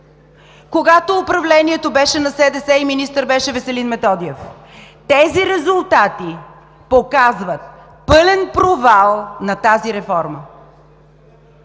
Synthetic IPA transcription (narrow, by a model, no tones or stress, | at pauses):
koɡat̪oːpɾɐvlɛniɛt̪obɛʃɛnɐsɛd̪ɛsɛiminist̪əɾbɛʃɛvɛsɛlinmɛt̪ɔd̪iɛf | t̪ɛziɾɛzʊlˠt̪at̪i | pokazvət̪̚ | pɤlɛnpɾovalˠnɐt̪aziɾɛfɔɾmə